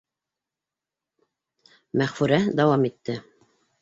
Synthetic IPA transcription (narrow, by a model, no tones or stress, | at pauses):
mæχfʉɾæd̪ɑwɑmit̪ːɘ